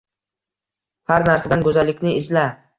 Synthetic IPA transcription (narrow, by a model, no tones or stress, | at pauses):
haɾnaɾsad̪ankʰɵzalːɪkʲnɪɪzla